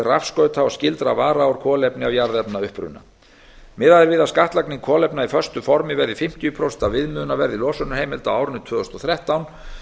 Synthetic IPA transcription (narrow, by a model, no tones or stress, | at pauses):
rafskœːɥt̪hawascɪlt̪ɾavaːɾaawɾ̥kʰɔːlɛpnɪavjaɾðɛpnaʏhpɾʏ̰na̰ | mɪðaðɪɾvɪðaskaht̪lakniŋkʰɔːlɛpnaifœr̥st̪ʏfɔɾmɪvɛɾðɪfɪm̥t̪ijʏpʰɾowsɛnt̪avɪðmʏːðʏnavɛɾðɪlɔːsʏnʏ̥heːjmɪlt̪awaːwɾʏnːʏt̪ʰvœːðɔst̪ɔθɾɛht̪awn